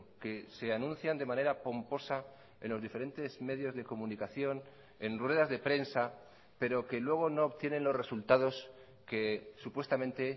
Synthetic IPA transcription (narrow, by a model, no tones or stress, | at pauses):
ke̞se̞anũnθjand̪e̞mãne̞ɾapo̞mpo̞sa | e̞nlo̞zðife̞ɾe̞nt̪e̞zme̞ðjo̞zðe̞ko̞mũnikaθjo̞n | e̞ndrwe̞ð̞azðe̞pɾe̞nsa | pe̞ɾo̞ke̞lwe̞ɣ̞o̞no̞ːβt̪je̞ne̞nlo̞sre̞sult̪aðo̞s | ke̞supwe̞st̪amẽ̞nt̪e̞